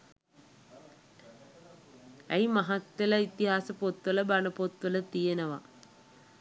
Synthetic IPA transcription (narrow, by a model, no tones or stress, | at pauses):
æjmaɦat̪ːeləit̪iɦaːsəpot̪ʋələbanəpot̪ʋələt̪ijenəʋa̰